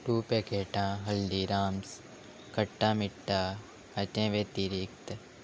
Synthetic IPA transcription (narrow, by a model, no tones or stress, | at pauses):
ʈuːpeːkeːʈãːɦɐldiːɾaːms | kəʈːãːmɪʈːa | ɐt͡ʃẽːʋeːt̪iːɾikt̪